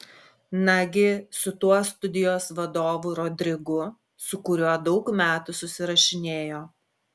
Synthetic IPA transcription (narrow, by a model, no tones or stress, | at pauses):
nɐɡʲɪsʊt̪uɔst̪ʊd̪ʲɪjoːsʋɐd̪oːʋuɾɔd̪ʲɾʲɪɡʊ | sʊkʊɾʲuɔd̪ɒʊkmʲæːt̪usʊsʲɪɾɐʃʲɪnʲeːjoː